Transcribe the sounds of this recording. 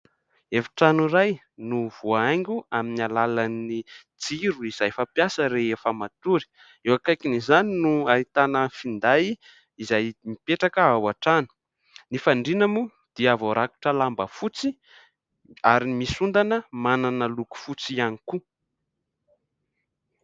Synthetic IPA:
efi̥ʈ͡ʂanuɾaj | nuvoaaŋɡʲuaminalalani | d͡ziɾuiz̥ajfapjasəɾeɦefəmat̪uɾi̥ | ewakajkinizaninuait̪anəfind̪aji | izajmipeʈ͡ʂakəavaʈ͡ʂanu̥ | nifaɳɖ͡ʐinamu | d̪̥iavoɾʔaku̥ʈ͡ʂəlambəfut͡si | aɾimisund̪anəmananəluku̥fut͡sianiku

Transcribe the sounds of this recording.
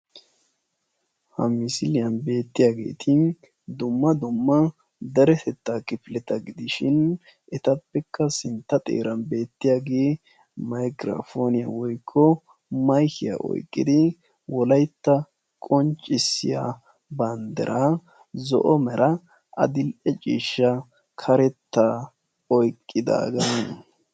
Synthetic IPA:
hɐ̰mɪsɪlɪjɐnbe̞ːt̪ːɪjaːɡe̞̰ːt̪ʰɪn | d̪ʊmːɐd̪ʊmːɐ | d̪ɐɾɛt̪ʰɛt̪ːakɪfɪlɛt̪ɐɡɪd̪ɪʃɪn | ʔɛt̪ɐpːɛkʰːɐsɪnt̪ːɐt̪ʼḛːɾɐnbe̞ːt̪ːɪjaɡeː | mɐjkɾɐ̰foːnɪjɐ̰wɔjkʰːɔ | mɐjkɪja̰ʔɔ̰jkʼːɪd̪ɪ | wɔlɐjt̪ːɐ | kʼɔnt͡ʃʼːɪsːɪja | bɐnd̪ɛ̰ɾʔa | zɔ̰ʔɔmɛɾɐ | ʔɐ̰d̪ɪlʔɛt͡ʃʼiːʃːɐ | kʰɐɾɛt̪ːa | ɔjkʼːɪd̪a̰ːɡɐnɐn

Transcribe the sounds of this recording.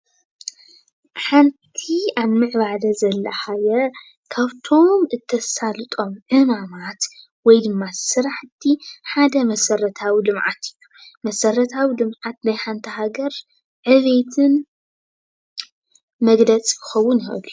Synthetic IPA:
ħant̪ʰiaβmɨʕβalɐzɐlːɐħajɐ | kʰaβt̪ʰo̞mɨt̪ʰːɐsalɨt̪ʼo̞mʕɨmamat̪ | wɔjd̪ɨmːasɨɾaħt̪ʰiħad̪ɐmɐsɐɾɐt̪ʰawilɨmʕa̰t̪ʰɨjːumɐsɐrɐt̪ʰawilɨmʕat̪̚najħant̪ʰɐɦaɡɐɾ | ʕɨβet̪ʰɨn | mɐɡlɐt͡sʼkɨxɐwːunjʔlu

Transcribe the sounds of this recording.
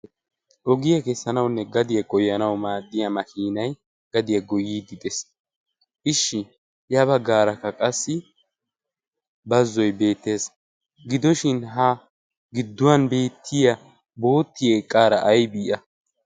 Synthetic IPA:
ʔɔɡɪjɐkɛsːɐnɐwnːɛɡɐd̪ɪjɐɡɔjːɐnɐwmaːd̪ːɪjɐmɐkʰiːnɐj | ɡ̥ɐd̪ɪjɐɡɔjːiːd̪ɪd̪ʼɛs | ʔɪʃːɪ | jɐbɐɡːaːɾɐkːɐkʼɐsːɪ | bɐzːɔjbe̞ːt̪ːe̞ːs | ɡɪd̪ɔʃɪnɦɐ | ɡɪd̪ːʊwanbe̞ːt̪ʰːɪjɐ | bo̞ːt̪ːɪjeːkʼːaːɾɐʔɐjbiːʔɐ

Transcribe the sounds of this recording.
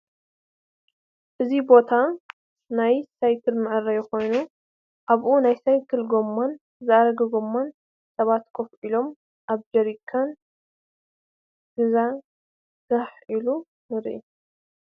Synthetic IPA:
ʔɨzibo̞t̪ʰa | najsajkʰɨlmɨʔɨɾɐjɛxo̞jnu | ʔaβʔunajsajkʰɨlɡomːon | zɨʔaɾɐɡɐɡo̞mːon | sɐβat̪kʰofʔilo̞m | ʔaβd͡ʒɐɾikʰːan | ɡɨza | ɡɐħilu | nɨɾʔḭ

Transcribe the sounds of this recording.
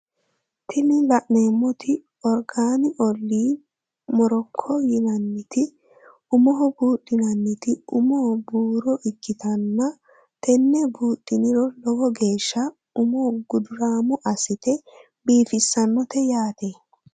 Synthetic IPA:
t̪ʰɪnɪlɐʔneːmːɔt̪ʰɪ | ɔɾɡaːnɪʔɔlːiː | mɔɾɔkʰːɔjɪnɐnːɪt̪ɪ | ʊmɔɦɔbuːɗːɪnɐnːɪt̪ɪʊmɔbuːɾɔʔɪkːɪt̪ɐnːɐ | t̪ɛnːɛbuːɗʼːɪnɪɾɔlɔwɔɡe̞ːʃːɐ | ʊmɔɡʊd̪ʊɾaːmʊʔɐsɪt̪ɛ | biːfɪsːɐnːɔt̪ɛjaːt̪e

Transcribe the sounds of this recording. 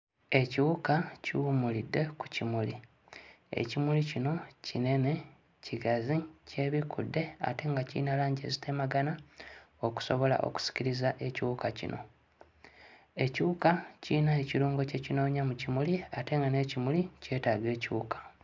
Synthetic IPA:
e̞ciwukaciwumulidːe̞ku̥cimuli | e̞̰cimulicino̞cine̞ne̞ | ciɡazice̞βikʰṵdːe̞a̰te̞ŋɡacḭːnalaːɲɟe̞̰zi̥tʰe̞maɡanaoku̥so̞βo̞la̰ʔo̞̰ku̥si̥ciɾizaʔe̞ciwukacḭnʔo̞̰ | e̞ciukaciːnaeciɾuːŋɡo̞ce̞cino̞ːɲamucimuliate̞ŋɡane̞ːcimulice̞ːtaːɡe̞ːciwṵkḁ

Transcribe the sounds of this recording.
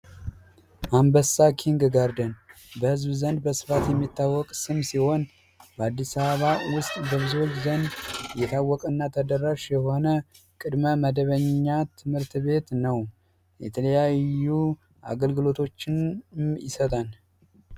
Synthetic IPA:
ʔambəsakʰiŋɡɡaɾd̪ən | bəhɨzbzənd̪̚bəsɨ̥fat̪jɛmːit̪ːawːɔkʼsɨmsiho̞n | bəad̪ːisaβəβawʊst̪ʼbəβɨzot͡ʃːzənd̪jɛt̪ʰawːɔkʼɨnːat̪ʰəd̪ərːaʃjɛho̞nə | kʼɨd̪məməd̪əβəɲːat̪ʰɨmɨɾt̪βe̞t̪nəw | jɛ̰t̪ʰələjaju | ʔa̰ɡəlɡɨlo̞t̪ʰo̞t͡ʃːɪnmjɪ̰sət̪ʼal

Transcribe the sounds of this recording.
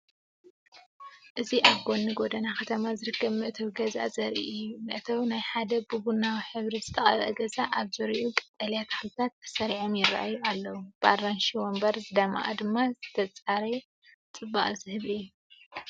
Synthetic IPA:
ʔɨziʔaβɡo̞nːɨɡo̞d̪ɐnakʰɐt̪ʰɐmazɨɾɨkːɐβmɨʔɨt̪ʰɐwɡɐza̰zɐɾḭʔjumɨʔɨt̪ʰɐwnajħad̪ɐbɨβunawiħɨβɾizɨt̪ʰɐχʼɐ̰βʔɐɡɐzaʔaβzɨɾiʔukʼɐ̥t̪ʼːɐljat̪xɨlt̪ʰat̪ːɐ̥sɐɾiʕomjɪra̰ʔa̰jːualːɐwub̥aɾːanʃiwombɐɾzɨd̪ama̰ʔa̰d̪ɨmːazɨt̪ʰɐt͡sʼaɾe | t͡sʼɨbːaʔʼzɨhɨβijːu

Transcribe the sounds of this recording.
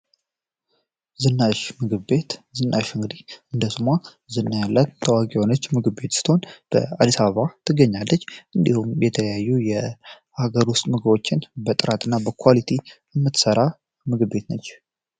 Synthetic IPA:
zɨnːaʃmɨɡɨβbe̞t̪zɨnːaʃɨŋɡɨd̪iɨnd̪əsɨma | zɨnːajalːat̪t̪ʰːəwakʼihonət͡ʃːmɨɡbe̞t̪si̥t̪ho̞nb̥ə̰a̰d̪isaββat̪ʰɨɡəɲːalːət͡ʃːʔɨnd̪ihumjɛt̪ʰələjajːujɛ | ʔaɡəɾwʊst̪ʼmɨɡɨbo̞t͡ʃːɪnbət̪ʼɨɾat̪ɨnːabəkʰʷwalit̪ʰi | əmːɨt̪səɾa | mɨɡɨbe̞t̪nəɲː

